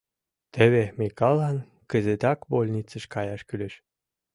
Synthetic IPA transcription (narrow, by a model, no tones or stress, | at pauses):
t̪əβemikɑlɑn | kə̆zet̪ɑkbolʲnʲit͡sə̆ʃkɑjɑʃkyleʃ